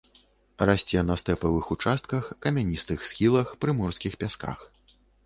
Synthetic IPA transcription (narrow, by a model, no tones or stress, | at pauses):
rasʲt͡sʲɛnɐst̪ɛpɐvɨxut͡ʂast̪kɐxkɐmʲanʲist̪ɨxsxʲilˠɐxpɾɨmɔrskʲixpʲaska̰x